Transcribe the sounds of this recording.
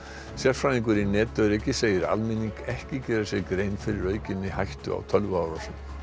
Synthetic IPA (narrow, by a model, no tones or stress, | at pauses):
sjaɾ̥fɾaniŋkʏɾinɛːt̪œɾɛcːɪseːjɪɾa̰lmɪnːiŋkʰɛhcɪcɛːɾasjɛɣkɾeːjnfɪɾɪɾœːɥcɪnːɪhajht̪ʏ̰a̰wt̪ʰœlvawɾasʏm